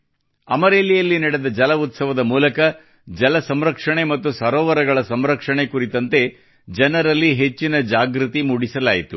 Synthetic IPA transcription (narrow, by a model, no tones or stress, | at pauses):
ɐ̰mɐɾeːlijɐlːinɐɽed̪ɐd͡ʒɐlɐut̪sɐʋɐd̪ɐmuːlɐkɐ | d͡ʒɐlɐsɐmɾɐkʂɐɳe̞mɐt̪ːusɐɾɔːʋɐɾɐɡɐɭɐsɐmɾɐkʂɐɳe̞kuɾit̪ɐnt̪e̞ | d͡ʒɐnɐɾɐlːiɦe̞t͡ʃːinɐd͡ʒaːɡɾut̪imuɽisɐlaːjit̪u